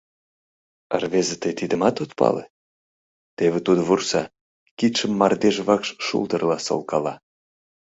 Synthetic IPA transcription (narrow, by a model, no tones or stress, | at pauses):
ə̰rβezet̪əjt̪id̪əmɑt̪ot̪pɑ̰lḛ | t̪eβĕt̪ud̪oβursɑ | kit̪ʃəmːɑrd̪eʒβɑkʃʃṵld̪ərlɑso̰lˠkɑlɑ